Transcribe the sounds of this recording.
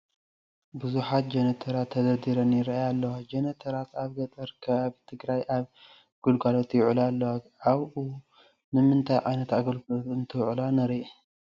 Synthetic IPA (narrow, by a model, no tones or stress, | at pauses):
bɨzuħat̪̚d͡ʒɛnɐt̪ʰɐɾat̪ʰːɐd̪ɐd̪iɾɐnjɪɾaajalːɐwad͡ʒɐnɐt̪ʰɐɾat̪aβɡɐt̪ʼɐɾkʰɐβaβit̪ʰɨɡɾajʔaβ | ɡ̥ulɡalo̞t̪jʊʕulalːɐwaʕaβʔu | nɨmɨnt̪ʰajʕa̰jnɐt̪aɡɐlkot̪ɨnt̪ʰɨwʕlanɐɾi